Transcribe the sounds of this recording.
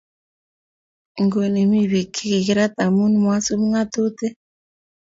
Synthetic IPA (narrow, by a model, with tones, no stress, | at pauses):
ŋɡo˨ni˨mi˦βi˨kʰi˦ki˨ki˦ɾa˦t̪a˨mu˦n˦mwa˦so˦m˦ŋa˦to˦te˦